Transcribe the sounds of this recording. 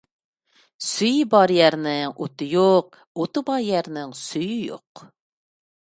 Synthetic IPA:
syjbɑɾjæɾnɪŋo̰t̪ɨjoq̚ | ot̪ɨbɑɾjæɾnɪŋsyjyjo̰q

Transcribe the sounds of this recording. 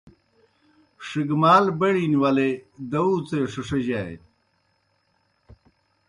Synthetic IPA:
ʂiɡmaːlbɐɽiːnwɐled̪ɐut͡seʂɐʂɐʑaḛ

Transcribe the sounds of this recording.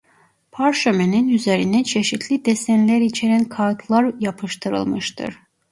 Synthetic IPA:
pʰaɾʃømeninyze̞ɾinɛt͡ʃʰeʃit̪ʰlʲid̪esɛnlʲæɾit͡ʃʰeɾænkʰat̪ʰlˠaɾjapʰɯʃt̪ʰɯɾɯ̰lˠmɯʃt̪ʰɯ̰ɾ̥

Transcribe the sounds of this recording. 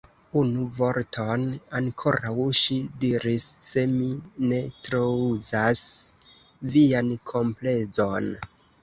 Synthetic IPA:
unuvo̞ɾtʰo̞naŋkʰo̞ɾʔawʃidiɾisːe̞mine̞tɾouzas | viankʰo̞mple̞zo̞n

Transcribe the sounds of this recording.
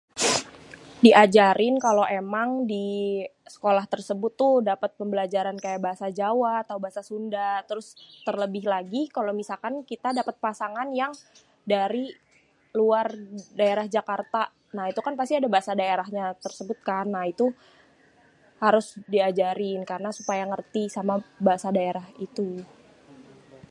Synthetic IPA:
diʔad͡ʒaɾɪnkalowemaŋdisə̥kolaht̪ərsəbʊt̪ːʊdapət̪̚pəmbəlad͡ʒaɾankajaʔbaɦasad͡ʒawaːt̪aubaɦasasundat̪əɾʊst̪ərləbɪɦlaɡikalomisalkankit̪adapət̪̚pasaŋanjaŋ | daɾi | luardaeɾahd͡ʒakart̪a | nait̪ukanpast̪iadabaɦasadaeɾaɦɲat̪ərsəbʊt̪̚kanːait̪u | haɾʊsdiad͡ʒaɾɪnkaɾənasupajaŋərt̪isamabaɦasadaeɾahit̪u

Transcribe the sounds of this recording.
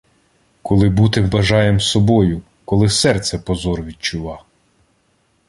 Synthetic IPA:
kɔlˠɪbut̪ɪbɐʒɑjemsɔbɔjʊ | kɔlˠɪsɛrt̪sɛpɔzɔrʋʲid̚t͡ʃʊʋɑ

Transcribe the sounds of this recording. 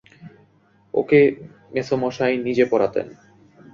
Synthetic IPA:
o̰ke | mesomɔʃajnid͡ʑepɔɾat̪ḛn

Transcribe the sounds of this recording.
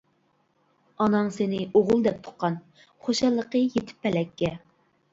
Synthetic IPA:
ɑnɑŋsenɪoʁʊlˠd̪ɛp̚t̪ʰʊ̥q̚qʰːɑn | χoʃɑlˠːəqəjet̪ʰɪ̥pːɛlɛkʲːɛ

